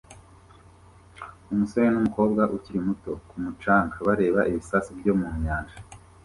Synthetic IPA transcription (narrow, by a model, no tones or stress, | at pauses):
umusoɲenumuko̞ːbɡaʔuciɾimuto̞kumut͡ʃaːŋɡaβaɾe̞ːβaʔiβisasibɟo̞mumɲaːnʒa